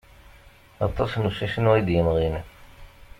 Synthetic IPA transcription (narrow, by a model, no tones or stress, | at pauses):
ɑ̰t̪ˤːɑsnuʃæʃənd̪jənʁin